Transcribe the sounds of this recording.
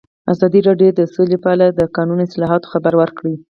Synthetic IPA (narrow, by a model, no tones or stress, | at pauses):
azɑd̪iɾɑɖjod̪əsolepəaɽad̪əkɑnunɪslɑɦɑt̪o̥xabaɾwəɾkɽi